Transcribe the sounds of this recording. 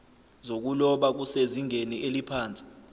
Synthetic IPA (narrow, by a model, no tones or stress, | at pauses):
zok̬ulɔɓak̬useziŋeniʔelipʰaːnt͡sʼi̥